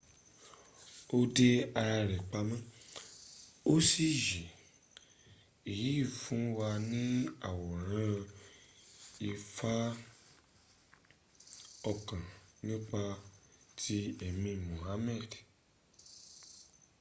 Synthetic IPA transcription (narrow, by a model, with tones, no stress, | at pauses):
o˦de˧a˧ɾa˧ɾɛ˨k͡pa˧mɛ̃˦ | o˦si˦ji˨ | i˨ji˨˦i˦˨fũ˨˦wa˧nĩ˦a˨wɔ˨ɾ̃ã˦ | i˧fa˦ | ɔ˧kã˨nĩ˦k͡pa˧tʰi˧ɛ˨mĩ˧mõ˨ɦa˦mɛ˦˨d